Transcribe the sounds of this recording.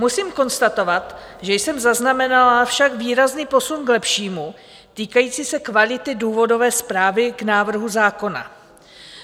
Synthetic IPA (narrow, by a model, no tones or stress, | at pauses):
musiːmko̞nst̪at̪o̞vat̪ʒɛjsɛmzaznamɛnalafʃakviːɾazniːpo̞sunɡlɛpʃiːmu | t̪iːkajiːt͡siːsɛkvalɪt̪ɪduːvo̞do̞vɛːspɾaːvɪɡnaːvr̩ɦuzaːko̞na̰